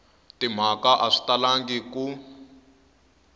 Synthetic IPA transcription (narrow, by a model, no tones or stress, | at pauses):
tim̤akaʔaʂi̥talaŋɡiku